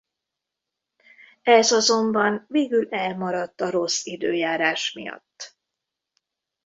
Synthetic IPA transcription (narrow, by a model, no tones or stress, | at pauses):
ɛzɒzo̞mbɒnveːɡylɛlmɒɾɒt̪ːɒɾo̞sid̪øːjaːɾaːʃmḭjɒ̰t̪ː